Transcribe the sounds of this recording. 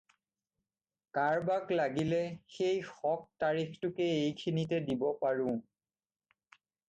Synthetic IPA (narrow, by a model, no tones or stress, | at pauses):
kaɹbaklaɡilɛxejxɔk̚taɹixtʊkɛejkʰinitɛdibɔpaɹʊ̃